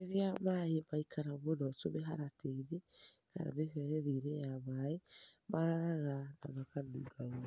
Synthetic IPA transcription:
eɾeamaemaikʰaɾaβonɔsoβeɦaɾatʰeiɾeka̰ɾa̰βefɛɾɛðiɾejaβaemaɾaɾaɣana̰βakaduːɡaa

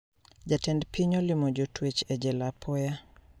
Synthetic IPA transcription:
d͡ʒatɛndpʰiɲɔlimod͡ʒotʰwet͡ʃɛd͡ʒɛlapʰɔja

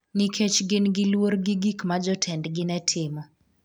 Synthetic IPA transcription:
nikʰet͡ʃɡɪnɡɪlwoɾɡɪɡikmad͡ʒɔtʰɛndɡɪnɛtʰɪmɔ

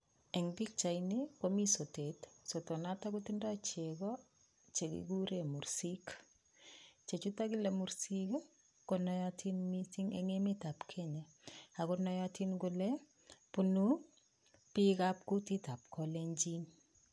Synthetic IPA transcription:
ɛŋbik̚t͡ʃajnikomisotetsotonataɡutindat͡ʃɛɡɔ | t͡ʃeɡḭɡuɾemuɾsik | t͡ʃet͡ʃutakilemuɾsike | konɔjatʰinmisiŋḛŋemitapkʰɛɲɛ | aɡɔnɔjatʰinɡʊlɛ | punu | pikap̚kutitap̚kʰɔleɲd͡ʒin

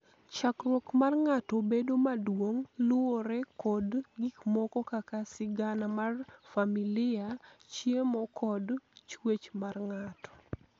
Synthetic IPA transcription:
t͡ʃakrwɔkmarŋatobedomadwoŋlʊoɾɛkɔdɡikmɔkɔkakasɪɡanamarfamilɪat͡ʃjemɔkʰɔdt͡ʃwet͡ʃmarŋatɔ̥

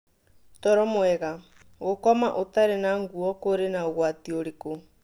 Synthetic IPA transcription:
tɔɾɔmwɛɣa | ɣokɔmaʔotaɾenaŋɡuɔkoɾenaoɣwatioɾeko

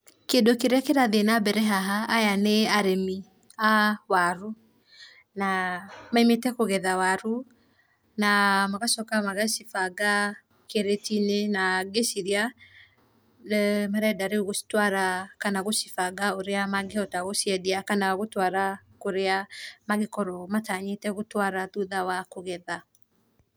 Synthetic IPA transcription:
kendokeɾeakeɾaðenabɛɾɛɦaɦaːjaneaɾemi | awaɾu | namaimetɛkoɣɛðawaɾu | namaɣasɔkamaɣaʃifaɡa | keɾetinenaɡesiɾja | maɾɛdaɾeoɣostwaɾakanaɣosifaɡaoɾeamaɡehɔtaɣosiɛdiakanawaɣotwaɾakoɾeamaɣekɔɾɔmataɲetɛɣotwaɾaðuðawakoɣɛða

